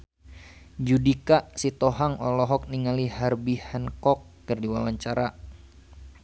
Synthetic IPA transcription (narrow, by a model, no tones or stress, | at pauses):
d͡ʒudikaʔsit̪ɔɦaŋɔlɔɦɔk̚niŋaliharbihənkɔkːərdiwawaɲt͡ʃaɾa